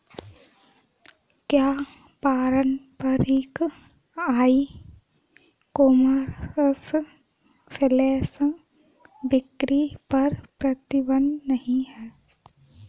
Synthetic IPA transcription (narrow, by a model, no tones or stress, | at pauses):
kjaː | paːɾənpɐɾeːk | aːi | koːməɾs | pʰɪleːs | bɪkɾipɐɾpɾɐt̪ɪbənnɐɦĩɦɛː